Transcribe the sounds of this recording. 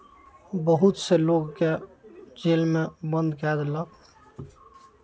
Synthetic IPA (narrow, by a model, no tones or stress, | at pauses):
bəɦut̪seloɡked͡ʒelmebənd̪kɛd̪lək